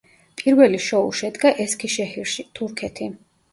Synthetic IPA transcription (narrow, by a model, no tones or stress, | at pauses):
pʼiɾvɛliʃɔuʃɛd̪ɡaʔɛskʰiʃɛhiɾʃit̪ʰuɾkʰɛt̪ʰi